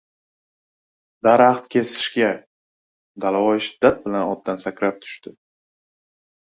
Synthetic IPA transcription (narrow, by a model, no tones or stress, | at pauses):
d̪aɾaχt̪kʲʰe̞sɪ̥ʃɡʲa | d̪alawɒjʃɪ̥d̪ːat̪̚bɪlanɒd̪ːansakʲʰɾap̚t̪ʰʊ̥ʃt̪ɪ